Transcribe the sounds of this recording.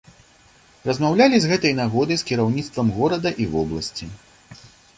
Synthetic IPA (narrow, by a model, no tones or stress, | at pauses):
rɐzmawlʲalʲizɣɛt̪ɐjnaɣɔd̪ɐjskʲiɾawnʲit̪st̪vɐmɣɔɾɐd̪ɐʔivɔblˠɐsʲt͡sʲi